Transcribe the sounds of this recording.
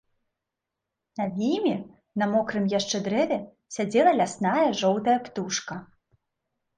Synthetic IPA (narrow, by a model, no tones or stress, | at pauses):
navʲijmʲɛ | nɐmɔkɾɨmjaʂt͡ʂɛd̪ɾɛvʲɛ | sʲad͡zʲɛlˠɐlʲasnajɐʐɔwt̪ɐjɐpt̪uʂkɐ